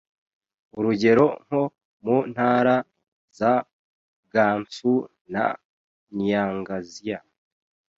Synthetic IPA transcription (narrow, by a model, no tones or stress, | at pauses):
uɾuɟe̞ɾo̞ŋ̥o̞ | mun̥haːɾa | za | ɡaːɱfu | na̰ | njaːŋɡazija